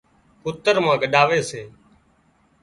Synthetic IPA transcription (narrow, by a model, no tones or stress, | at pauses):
pʊt̪əɾmãːɡəɗaːʋeːseː